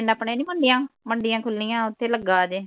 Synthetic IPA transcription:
napɳẽːnĩːməɳɖɪjãːməɳɖɪjãːkʰʊlːijãːʊt̪ʰːeːləɡːaːd͡ʒeː

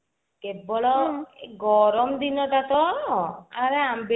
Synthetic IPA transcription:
kebɔɭɔɡɔɾɔmd̪inɔʈat̪ɔ | aɾeambe

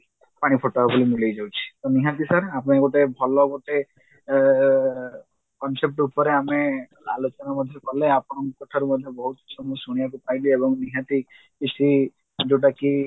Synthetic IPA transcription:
paɽ̃ipʰoʈoabulimilejd͡ʒawt͡ʃʰi̥t̪ɔniɦãt̪̬isaɾapɽ̃eɡoʈebʱɔlɔɡoʈe | kɔnsep̚ʈupɔɾeame | a̰lot͡ʃɔnamɔd̪ʱjɔkɔɦleapɔɽ̃ɔmkɔʈʰaɾumɔd̪ʱjɔbɔɦut̪t͡ʃʰɔmusuɽ̃ijakupajliebɔŋniɦãt̪i | kisi | d͡ʒewʈ̬aki

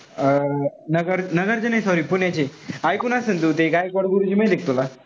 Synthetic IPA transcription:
nəɡəɾnəɡəɾd͡ʑenajsɔɾiːpuɳjat͡ɕeajkunasənt̪ut̪ekajkɔɽɡuɾud͡ʑiːməjd̪ek̚ʰt̪ola

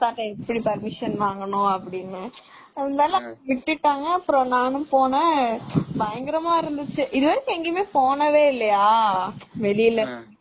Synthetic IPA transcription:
saːʈːɐɛpːɐɽipɐɾmɪʂɐnʋaːŋɡɐɳʊ̃ɐpːɐɽɪnːɯ | ɐɐnd̪aːlɐ̃ʋɪʈːɪʈːaːŋɡɐːpːɯɾõnaːnɯ̃poːnɐ | bɐjɐŋɡɪɾɐmaːɪɾɯnd̪ɯt͡ʃːɯʔɪðɯʋɐɾɯkːɯɛŋɡemeːpoːɳɐʋeːɪlːɐjaːʋɛɭɪjɪlːɐ

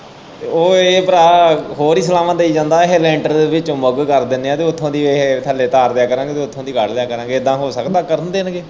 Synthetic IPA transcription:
oːeːpəɾaːɦoːɾiːs̬əlaːʋãːd̪eːiːd͡ʒãːnd̪aːɪɦelɛ̃ːɳʈəɾd̪eːʋɪt͡ʃõːməɡkəɾd̪ɪnːeːãːt̪eːʊt̪ʰːõːd̪iːeːɦt̪ʰəleːt̪aːɾd̪jaːkəɾãːɡeːt̪eːʊt̪ʰːõːd̪iːɡəɽd̪jaːkəɾãːŋɡeːd̪ãːɦoːsəkd̪aːkəɾənd̪eːnɡeː

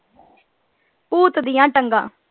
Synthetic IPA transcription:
puːt̪d̪ɪjãːʈəŋɡã̰ː

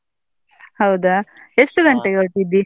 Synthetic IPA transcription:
hɐwd̪a | esʈuɡɐɳʈeɡeoʈid̪ːi

